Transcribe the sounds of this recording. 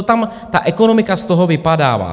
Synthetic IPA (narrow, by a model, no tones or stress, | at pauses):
ot̪am | t̪a̰ʔɛkonomɪkast̪oɦovɪpada̰ːva̰ː